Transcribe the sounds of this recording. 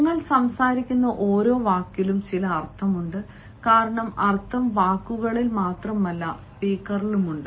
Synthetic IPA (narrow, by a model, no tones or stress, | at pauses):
ŋːɐɭsɐmsaːɾikʲːunːɐʔo̞ːɾo̞ːʋaːkjilumt͡ɕilɐːrt̪ʰːɐmuɳɖɨ | kaːɾɐɳɐmɐrt̪ʰːɐmʋaːkːuɣɐɭilmaːt̪rɐmːɐlːɐspiːkːɐrilumuɳɖɨ